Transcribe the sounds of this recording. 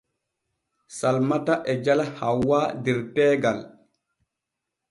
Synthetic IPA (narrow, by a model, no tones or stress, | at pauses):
salmataʔɛd͡ʒalahawːadiɾtɛːɡal